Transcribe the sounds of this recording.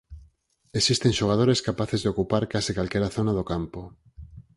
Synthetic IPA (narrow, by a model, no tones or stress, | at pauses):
esist̪eŋʃoɣ̞að̞oɾeskapaθezðeokupaɾkasikalkɛɾaθonaðokampo